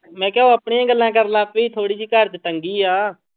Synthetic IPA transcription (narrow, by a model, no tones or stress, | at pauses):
mɛ̃ːkjːoəpɳeːãːɡəlːãːk̬əɾlaːpiːt̪ʰoːɽiːd͡ʒiːkəɾt̪ʈəŋɡiːaː